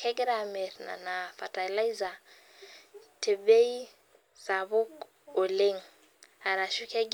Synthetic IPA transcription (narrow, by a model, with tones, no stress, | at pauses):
kʰɛ˦ɡɾame˨ɾna̰˨na˨fa˨tala˦iza˨ | tʰe˨be˦i˦ | sa˨βu˦k | o˨le˦ŋ | a˨ɾa˨ʃu˦kɛ˦ɡ